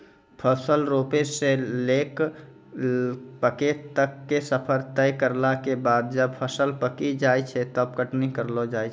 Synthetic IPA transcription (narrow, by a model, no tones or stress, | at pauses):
pʰəsəlɾoːpeseleːk | pəket̪əkːesəpʰəɾt̪əikəɾlakebaːd̪̚d͡ʒəb̚pʰəsəlpəkid͡ʒaːit͡ʃʰɛt̪əb̚kəʈnikəɾlod͡ʒaːi